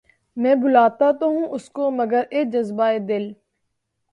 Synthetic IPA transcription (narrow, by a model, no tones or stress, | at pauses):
mɛ̃ːbʊlaːt̪at̪oɦũːʔʊskoməɡəɾeːd͡ʒəzbaːeːd̪ɪl